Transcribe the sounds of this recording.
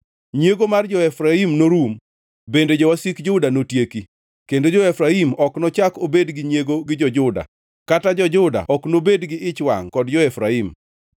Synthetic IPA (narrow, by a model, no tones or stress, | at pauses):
ɲjeɡomard͡ʒɔɛfɾaimnoɾum | bended͡ʒɔwasikd͡ʒʊdanotjeki | kendod͡ʒɔɛfɾaimɔknɔt͡ʃakobedɡɪɲeɡoɡɪd͡ʒɔd͡ʒʊda̰ | katad͡ʒɔd͡ʒʊda̰ʔɔknobedɡɪʔɪt͡ʃwa̰ŋkɔdd͡ʒɔɛfɾaim